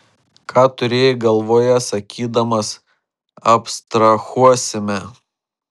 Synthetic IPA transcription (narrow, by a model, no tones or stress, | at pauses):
kʰɑːt̪ʊɾʲeːjɛɡɐlˠʋoːjɛsɐkʲʰiːd̪ɐmɐs | ɐpst̪ɾɐxuɔsʲɪmʲɛ